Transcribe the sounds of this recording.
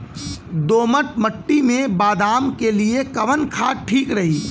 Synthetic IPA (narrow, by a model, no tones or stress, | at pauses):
d̪oːməʈ̚mɐʈːimẽbaːd̪aːmkeliekɐʋənkʰaːʈʰiːkɾɐɦiː